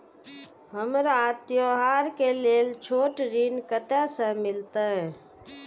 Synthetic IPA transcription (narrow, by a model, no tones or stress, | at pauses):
ɦəmɾt̪joɦaɾkelelt͡ʃʰoʈɾinkət̪esə̃mɪlt̪əɦ